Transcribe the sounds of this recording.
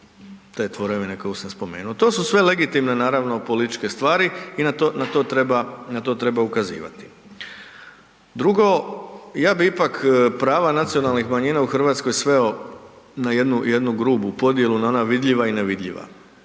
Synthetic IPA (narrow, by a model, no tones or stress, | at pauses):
t̪et̪ʋo̞ɾeʋinekojusamspo̞me̞̰ːnuot̪o̞ːsusʋe̞le̞ɡit̪imne̞naːɾaʋno̞po̞lit̪i̥t͡ʃke̞st̪ʋaːɾiinat̪onat̪oːt̪ɾebanat̪o̞t̪ɾe̞baukazḭːʋa̰t̪i̥ | d̪ɾuɡo̞jaːbiipakpɾaːʋanat̪sio̞nalˠnixmaɲiːnauxr̩ʋaːt̪sko̞jsʋe̞o̞ | naje̞d̪nuje̞d̪nuɡɾuːbupo̞d̪je̞lunao̞naʋid̪ʎiʋaineʋid̪ʎʲḭʋa̰